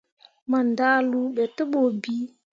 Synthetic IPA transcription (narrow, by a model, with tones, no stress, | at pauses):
ma˨nda˦lu˦ɓɛ˨tə˦ɓo˨bi˦